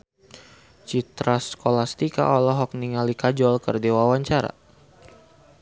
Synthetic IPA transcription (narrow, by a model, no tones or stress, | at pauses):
t͡ʃit̪ɾaskolast̪ika̰ʔɔlɔɦɔk̚niŋalikad͡ʒɔlkərdewawaɲt͡ʃaɾa̰